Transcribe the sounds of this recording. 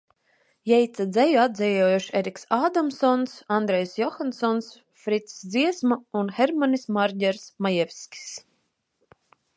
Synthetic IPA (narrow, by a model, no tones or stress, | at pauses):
jɛjt̪sad̪zɛjuad̪d̪zʲɛjɔːjuʃeɾʲiksaːd̪amsɔnsand̪ɾɛjsjɔxansɔns | fɾit̪ssd̪ziɛsmaunxeɾmanismaɾʲdʲɛɾsmajɛvʲsʲkʲi̥s